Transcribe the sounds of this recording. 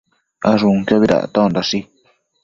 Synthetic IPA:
aʐũkjaβiɾa̰t̪ãõd̪aʂi

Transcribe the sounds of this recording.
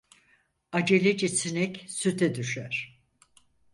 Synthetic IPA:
ad͡ʒelʲed͡ʒɛsinɛcsyt̪ʰɛd̪yʃæɾ̥

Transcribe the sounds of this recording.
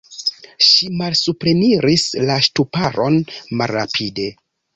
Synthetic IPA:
ʃimalsupɾe̞niɾislaʃtupaɾo̞nmalːa̰pʰide̞

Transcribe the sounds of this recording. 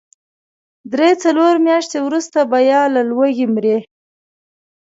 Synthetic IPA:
d̪ɾet͡saloɾmjɑʃt̪ewɾust̪abajɑlalwəɣimɾe

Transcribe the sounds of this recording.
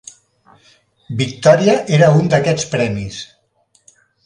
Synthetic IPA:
bik̚t̪ɔɾiəʔeɾəund̪əkɛt͡spɾɛmis

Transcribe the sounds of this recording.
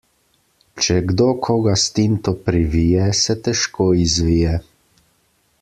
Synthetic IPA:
t͡ʃɛɡd̪oːkʰoɡast̪int̪ɔpɾiʋiːjɛsɛt̪ɛʃkoːizʋiːjɛ

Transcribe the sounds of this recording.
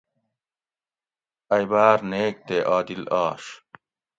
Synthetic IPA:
ɐjbaːɾneːk̚t̪eʔaːd̪ilaːʂ

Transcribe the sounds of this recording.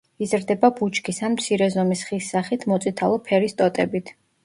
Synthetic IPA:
izɾd̪ɛbabut͡ʃʰʼkʰisanmt̪sʰiɾɛzɔmisχisːaχit̪ʰmɔt̪sʼit̪ʰalˠɔpʰɛɾist̪ʼɔt̪ʼɛbit̪ʰ

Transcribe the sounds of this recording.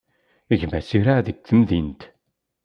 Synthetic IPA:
əʝmæsiɾaðəɡ̚θəmðint̪

